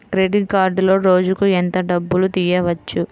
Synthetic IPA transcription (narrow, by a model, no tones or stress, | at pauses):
kɾeːɖiʈkaːɾɖlo̞ːɾo̞ːd͡ʒukuent̪ɐɖɐbːulut̪ijɐʋɐt͡ʃːu